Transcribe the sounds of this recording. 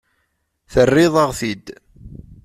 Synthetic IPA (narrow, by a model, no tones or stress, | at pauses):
θərːɪðˤəʁθid̪